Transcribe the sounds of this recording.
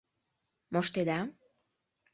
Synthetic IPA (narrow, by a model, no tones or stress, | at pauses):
moʃt̪ed̪a